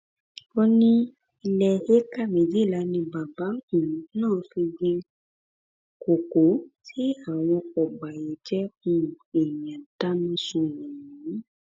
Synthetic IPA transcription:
ɔ˧nĩ˦ | i˧lɛ˧he˦ka˦˨me˨d͡ʒe˨˦la˨˦nĩ˧ba˨ba˨˦kũ˨nãː˦˨˦fĩ˧ɡe˧ | ko˨ko˨˦tʰi˦a˨w̃ɔ̃˧ɔ˨ɡ͡ba˨je˨˦d͡ʒɛ˦xũ˧˨e˨jã˨ta˦nĩ˦sũ˧wɔ̃˨ĩ˨˦

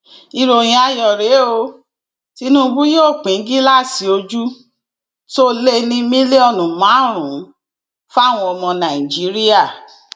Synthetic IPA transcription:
i˧ɾo˨j̃ĩ˧˦a˧jɔ˨ɾe˨˦o˧ | ti˧˦nũ˦˧˦bu˦joː˦˨k͡pĩ˨˦ɡi˦la˦˨si˨˧o˧d͡ʒu˦ | to˦le˦nĩ˧mĩ˦le˦ɔ˦˨nũ˨mã˨˦˨ɾ̃ũ˨˦ | fa˦˨w̃ɔ̃˧ɔ˧mɔ̃˧nã˨i˨d͡ʒi˨˦ɾi˦a˦˨

